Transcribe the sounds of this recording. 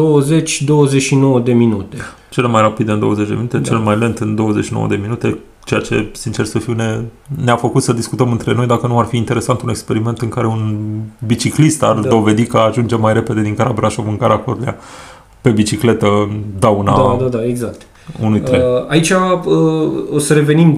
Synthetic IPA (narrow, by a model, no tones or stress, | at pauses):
d̪owəzet͡ʃʲd̪o̞wəzeʃinowəd̪e̞minut̪e | t͡ʃe̞le̞majrapid̪ɨnd̪o̞wəzet͡ʃd̪e̞minut̪e̞t͡ʃe̞lemajle̞nd̪ɨnd̪o̞wəze̞t͡ʃʃinowə̰d̪e̞minut̪e̞ | t͡ʃe̞jat͡ʃe̞̰sint͡ʃe̞rsəfiwne | neafəkut̪səd̪iskut̪əmɨnt̪ɾe̞no̞jd̪akənuarfiːnt̪e̞ɾe̞sant̪une̞kspe̞ɾime̞nt̪ɨŋkaɾe̞unbit͡ʃiklist̪ard̪o̞ve̞d̪ikəaʒund͡ʒe̞majɾe̞pe̞d̪e̞d̪iŋkaɾabɾaʃovɨŋkaɾakot̪lia̰ | pe̞bit͡ʃikle̞t̪əd̪awnaad̪ad̪aeɡzakt̪ | unuj̪ɾeait͡ʃʲaəosəɾe̞ve̞nim